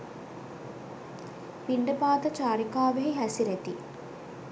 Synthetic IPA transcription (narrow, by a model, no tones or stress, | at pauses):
piɳɖəpaːd̪ət͡ʃaːɾikaːʋeɦiɦæsiɾet̪i